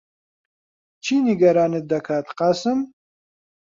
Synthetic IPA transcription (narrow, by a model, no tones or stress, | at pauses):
t͡ʃʰiniɡɐɾaːnɨd̪ɐkʰaːt̪qɑsɨm